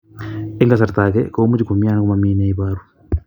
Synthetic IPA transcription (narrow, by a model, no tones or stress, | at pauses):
eŋɡasaɾt̪akɛkomud͡ʒikumianakumamiːneiβaɾu